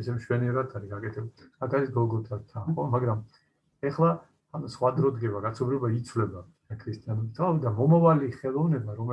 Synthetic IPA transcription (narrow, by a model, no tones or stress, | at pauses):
ɛsɛmʃwɛniɛɾad̪ʰaɾiɡakʼɛt̪ʰɛbuak̪ʰaɾisɡɔɡɔt̪ʰat̪ʰanχɔmaɡɾam | ɛχlˠa | sχwad̪ɾɔd̪ɡɛbaɡat̪sʰɔbɾibait̪sʰwvlɛba | kʰɾist̪ʼianɛist̪ʰabid̪amɔmavaliχɛlˠɔvnɛbaɾɔmɛ